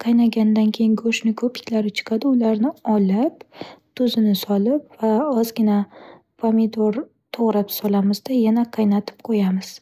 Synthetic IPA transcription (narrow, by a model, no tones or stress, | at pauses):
qʰɑjnaɡʲanɪd̪ankʲʰe̞jɪŋɡoʃnɪkʰɵpɪ̥kʲʰlaɾɪt͡ʃʰɨ̥qʰɑd̪ɪʊlaɾnɪɒlɪpt̪ʰʊzɪnɪsɒlɪpv̥aɒzɡʲɪna | pʰomɪd̪oɾ | t̪ʰoʁɾapsɒlamɪzd̪ajanaqʰɑjnat̪ʰɪ̥p̚qʰojamɪz̥